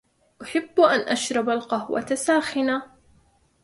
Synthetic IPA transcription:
ʔʊħɪbːʔanʔaʃɾˤɑbalqɑhwa̰t̪asaːxɪna

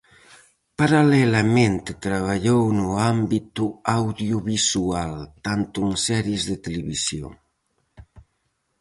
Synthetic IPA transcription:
paɾalɛlamẽnt̪et̪ɾaβ̞aʎownuambit̪uawðjuβisualt̪ant̪uŋsɛɾjezðet̪eleβisjo̰

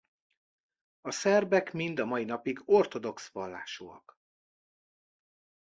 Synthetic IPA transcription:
ɒsɛrbɛkmind̪ɒmɒinɒpiɡo̞rt̪o̞d̪o̞ksvɒlːa̰ːʃo̰ːɒ̰k

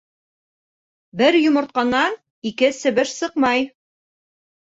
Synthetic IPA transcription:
bɘɾjŏmɤ̆ɾt̪̚qɑnːɑ | ikɘsɘ̆βɘʃsɤqmɑj

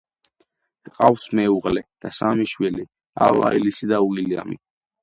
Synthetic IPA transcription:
qʼafsmɛuʁlɛd̪̥asamiʃwili | ava̰ilisid̪auɡilia̰mi

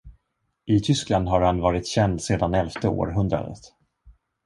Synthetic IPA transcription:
ʔɪt̪ʰʏskland̪ɦaɾhanvɑːɾɪt̪ɕɛnd̪seːd̪anɛlft̪əo̰ːɾɦɵnd̪ɾa̰d̪ə̰t̪

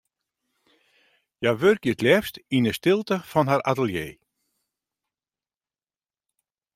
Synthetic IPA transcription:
jaʋørkjətlɛfstinəstɪlˠtəfɔnɦaɾatəlˠjḛː

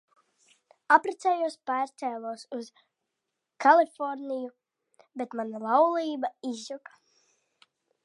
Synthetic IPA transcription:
apɾɛt̪sɛːjuɔspæːɾst̪ɛːlˠuɔsuz̥ | kalˠifɔɾniju | bet̪manalˠawlˠiːbaizukḁ

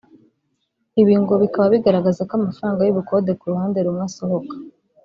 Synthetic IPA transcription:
iβiːŋɡoβikaβaβiɡaɾaɡazakamafɾaːŋɡajuβuko̞ːdekuɾuhaːnde̞ɾumŋaso̞ho̞kḁ

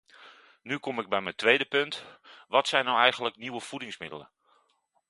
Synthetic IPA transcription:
nykɔmɪɡ̚bɛjməntʋejdəpøntʋɔtsɛjnːɔwɛjɣənləkniwəfudɪŋsmɪdə̰lə̰

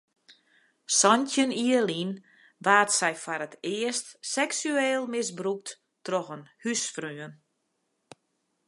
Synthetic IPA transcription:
sɔntjəniəlin | ʋaːtsɛjfaɾətɪəstsɛksyeːlˠmɪsbruk̚t | troxənhysfryən

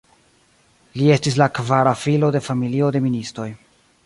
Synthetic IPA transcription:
lie̞stis̬lakvaɾafilo̞de̞familio̞de̞ministɾo̞j

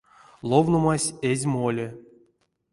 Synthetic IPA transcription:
lˠovnomasʲezʲmolʲe

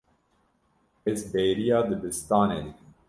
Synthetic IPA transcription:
ezbejɾijɑːd̪ɨbɨst̪ɑːnḛːd̪ɨkm

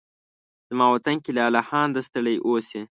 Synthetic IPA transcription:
z̥mɑwat̪aŋkilalahɑːnd̪əst̪əɽəjʔosi

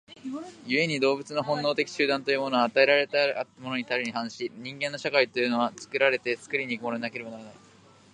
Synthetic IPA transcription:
jɯ̟e̞ɲ̟id̪o̞ːbɯ̟t͡sɨnoɦõ̞nːo̞ːt̪e̞kʲi̥ɕɨːd̪ãnt̪ojɯ̟ːmo̞noaːt̪ae̞ɾaɾe̞t̪amo̞noɲ̟it̪aɾʲeɲ̟ihãɰ̃ɕiɲ̟ĩŋɡẽ̞nːo̞ɕakait̪o̞jɯ̟no̞at͡sɨ̥kɯ̟ɾaɾe̞t̪e̞sɨ̥kɾʲiɲiːkɯ̟mo̞noɲinake̞ɾe̞banaɾanai

